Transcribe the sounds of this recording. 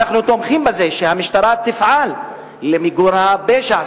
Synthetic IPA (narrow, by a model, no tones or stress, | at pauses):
aχnut̪omχimbezeʃehamiʃt̪aɾˤat̪ːifʕalː | emiɡuɾhabeʃa